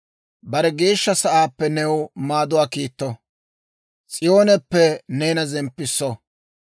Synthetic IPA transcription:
bɐɾɛɡe̞ːʃːɐsɐʔaːpːɛnɛwmaːd̪ʊwaːkiːt̪ːɔ | t͡sʼɪjo̞ːnɛpːɛneːnɐzɛmpːɪsːɔ

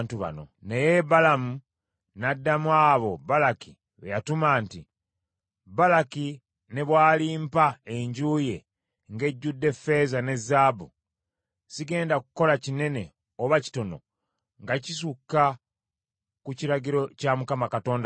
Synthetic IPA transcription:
ntuβa̰no̞̰nejebalamu | nadːamwaːβo̞balaki | βejatumaːnti | balaki | ne̞βwaːliːmpaeɲɟuːje̞ | ŋɡe̞ɟːudːe̞fe̞zane̞zaːbu | siɡe̞ːndakuko̞lacine̞ne̞ | oβaci̥to̞no̞̰ | ŋɡacisukːa | kuciɾaɟiɾo̞camukamakato̞ːnd

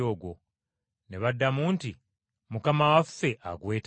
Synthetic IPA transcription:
o̞ːɡwo̞̰ | ne̞βadːamuːnti | mukamawafːe̞ʔa̰ɡwe̞ːt

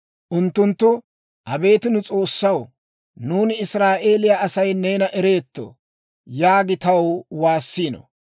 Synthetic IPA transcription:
ʔʊnt̪ːʊnt̪ːʊ | ʔɐbe̞ːt̪ɪnʊt͡sʼo̞ːsːɐw | nuːnɪɪsɾaːʔe̞ːlɪjaɐsɐjne̞ːnɐʔɛɾe̞ːt̪ːo̰ | jaːɡɪt̪ɐwwaːsːiːnɔ̰

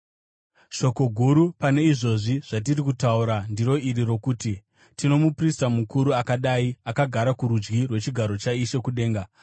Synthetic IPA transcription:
ʃo̞ko̞ɡʱuɾupane̞iʐo̞ʐiʐ̥at̬irikutauɾandiɾo̞iɾiɾo̞kuːti | tino̞mupristamukuɾuakaɗaiakaɡʱaɾakuɾud͡ʒɡirwe̞t͡ʃiɡʱaɾo̞t͡ʃaiʃe̞kuɗe̞ːŋɡa

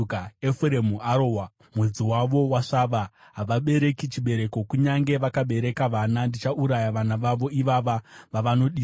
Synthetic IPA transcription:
kaefuɾemuaɾowa | mwed͡ziwaʋo̞waʂaʋa | ɦaʋaɓe̞ɾe̞kit͡ʃiɓe̞ɾe̞ko̞kuɲaŋɡe̞ʋakaɓe̞ɾe̞kaʋanandit͡ʃaʔuɾajaʋanaʋaʋo̞iʋaʋaʋaʋano̞ɗiː

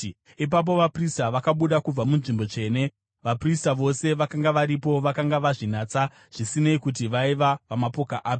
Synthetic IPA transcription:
ip̬ap̬o̞ʋapristaʋakaɓuɗakub͡vamunʐimbo̞t͡ʂe̞ːne̞ | ʋapristaʋo̞se̞ʋakaŋɡaʋaɾipo̞ʋakaŋɡaʋaʐinat͡sa | ʐ̥isineikut̬iʋaiʋapamapo̞kaʔaːp

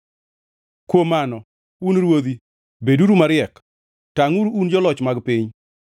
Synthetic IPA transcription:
kwomanɔ | unɾwod̪i | beduɾumaɾɪɛk | taŋuɾund͡ʒɔlɔt͡ʃmaɡpɪɲ

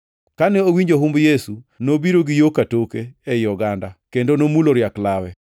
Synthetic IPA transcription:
kanɛowiɲd͡ʒoɦumbjesunobiɾoɡɪjokatokeɛjɔɡandakendonomuloɾjaklawɛ

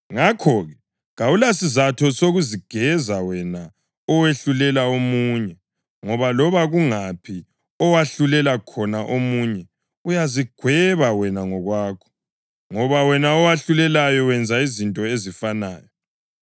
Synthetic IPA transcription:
ŋakʰɔɣɛ | ɣaulasizatʰɔsoɣuziɡ̥ʱɛzawɛna | ɔweɬulɛlaomuɲɛ | ŋɔβalɔβaɣuŋapʰi | ɔwaɬulɛlakʰɔnaʔomuɲɛ | ujaziɡ̥ʱwɛβawɛnaŋɔɣwaːkʰɔ̥ | ŋɔβawɛnaɔwaɬulɛlajɔwɛnd͡zʱaizintʼɔezifana̰ːjɔ

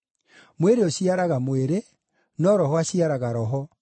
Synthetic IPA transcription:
mweɾeoɕiaɾaɣamweɾe | nɔɾɔɦwaɕiaɾaɣaɾɔɦɔ

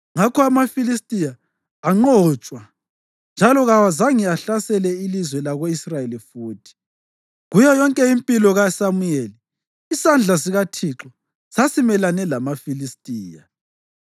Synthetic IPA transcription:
ŋakʰɔamafilistʼijaː | ŋ͡ǃɔt͡ʃʼwa | nd͡ʒʱalɔɣawazaŋiaɬasɛlɛilizwɛlaɣoisrajelifuːtʰi̥ | ɣujɔjɔŋkʼɛimpʼilɔɣasamujeli | isand͡ɮʱas̬iɣatʰiǁɔ | sasimɛlanɛlamafilistʼiːja

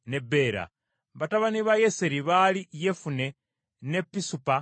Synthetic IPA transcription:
nebe̞ɾa̰ | βataβaniβajeseɾiβalijefune̞ | ne̞pːisupa

